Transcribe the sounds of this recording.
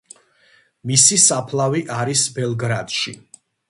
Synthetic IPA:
misisapʰlˠaviʔaɾisbɛlˠɡɾad̪̥ʃi

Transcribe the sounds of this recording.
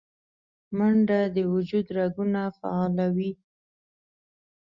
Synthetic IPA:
maɳɖad̪əwʊd͡ʒud̪ɾaɡunafa̰ɑlawi

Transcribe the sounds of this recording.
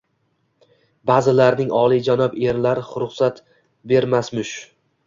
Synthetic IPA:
baːzɪlaɾnɪŋɒlˠijd͡ʒanɒbe̞ɾlaɾɪχʊɾʊχsat̪ | be̞ɾmasmʊʃ

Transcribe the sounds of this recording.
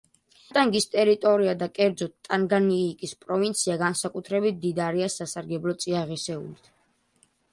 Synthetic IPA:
t̪ʼaŋɡist̪ʼɛɾit̪ʼɔɾiad̪akʼɛɾd̪zɔt̪̚t̪ʼaŋɡaniːkʼispʼɾɔvint̪sʰiaɡansakʼut̪ʰɾɛbit̪̚d̪id̪aɾiasasaɾɡɛblɔt̪sʼiaʁisɛṵlit̪ʰ

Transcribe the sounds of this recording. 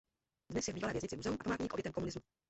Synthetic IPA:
dnɛsjɛvbiːvalɛːvjɛzɲɪt͡sɪmuzɛumʔapamaːt̪ɲiːkʔobjɛt̪ɛmkomunɪzmu

